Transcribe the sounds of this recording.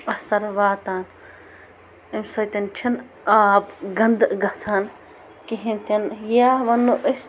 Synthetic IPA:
ɐhsɐɾʋaːt̪aːn | imsɐjt̪ɐnt͡ʃʰin | aːbɡɐnd̪ɡɐt͡sʰan | kiɦint̪ɐnjaːʋɐnːuʔəs

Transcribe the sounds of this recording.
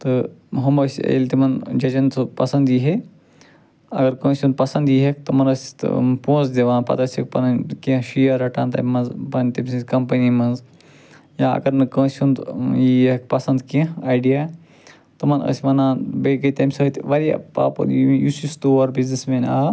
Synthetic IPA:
t̪ɨɦɐmɐːsʲḛlʲt̪imɐnd͡ʒɐd͡ʒɐnt̪ɨpɐsɐnd̪jiːɦe | ɐɡɐɾkə̃ːsʲũnd̪̚pɐsɐ̃nd̪jiɦek̚t̪ɨmɐnɐsʲt̪põːzd̪ʲeʋãːnpɐ̰t̪ɐsʲɐk̚pɐnɐnkẽʃijɐɾɐʈaːnt̪ɐ̰mɐnzpɐnt̪ɐmʲsĩkɐmpɐnimɐnz | jãːɐ̰ɡɐɾnɨkə̃ːsund̪jiɐkpɐsɐnd̪kẽaːjɖijaː | t̪ɨmɐnə̰sʲmɐnãːbeɡət̪ɐmʲsɐːt̪ʋɐɾia̰paːpɐ̰jusist̪oːɐɾbiznismẽːnaː

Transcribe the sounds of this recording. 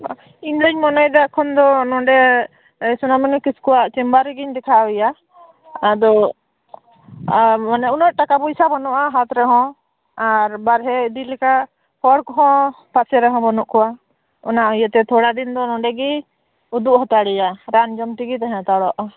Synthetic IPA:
iŋɡlɛɲmɔnɔjd̪akʰɔnd̪ɔnɔ̃ɖɛ | sunamɛnɛkiskɔwaʔt͡ʃimbaɾɛɡiɲd̪ɛkʰaʔɛja | ad̪ɔ | manɛʔunəʔ̪̚ʈakabɔisabɔnuʔaɦat̪ɾɛɦɔ̃ | aɾbaɾɦɛd̪ilɛkaʔ | hɔɽkɔɦɔ̃ | pasɛɾɛɦɔ̃bɔnɔʔkɔwa | ɔnaʔɔjat̪ɛt̪ʰɔɽad̪ind̪ɔnɔ̃ɖɛɡi | ud̪uʔhɔt̪aɽɛjaɾand͡ʒɔmʈiɡit̪aɦɛ̃t̪aɽɔʔ

